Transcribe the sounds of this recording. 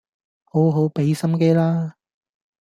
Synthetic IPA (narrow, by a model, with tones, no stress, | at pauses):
ho˨˥wɦo˨˥wpe˨˥jsɐ˥mke˥jlaː˥